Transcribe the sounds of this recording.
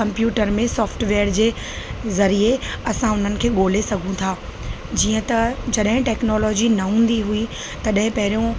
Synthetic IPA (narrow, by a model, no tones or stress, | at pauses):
kɐ̃mpjuːʈəɾmẽsɔːfʈʋeːəɾd͡ʑeː | zɐɾieɐsãʊn̤ənɪ̆kʰeːɠoːl̤esɐɡʱũt̪ʰaː | d͡ʑiːə̃t̪ɐd͡ʑɐɗɦɪ̃ʈɛːknɔːlɔːd͡ʑinɐɦũːnd̪iɦui | t̪ɐɗɦɪ̃pɐɦɪɾijõ